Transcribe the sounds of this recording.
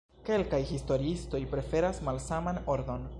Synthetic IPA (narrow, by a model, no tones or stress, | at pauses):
ke̞lkajhisto̞ɾiisto̞jpɾe̞fe̞ɾasmalsamano̞ɾd̪o̞n